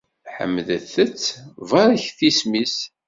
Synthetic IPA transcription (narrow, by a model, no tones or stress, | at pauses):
ħə̰mːðəθət͡sːvɑɾˤəçθismis